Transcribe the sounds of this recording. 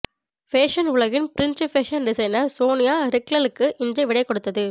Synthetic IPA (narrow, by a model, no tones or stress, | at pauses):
feːʂɐnʊɭɐɣɪnpɪɾɪnt͡ʃɯfeːʂɐnɖɪsɐɪnɐɾsoːnɪjaːɾɪklɐlɯkːɯʔɪnd͡ʒɐɪʋɪɽɐɪkːɔɽɯt̪ːɐðɯ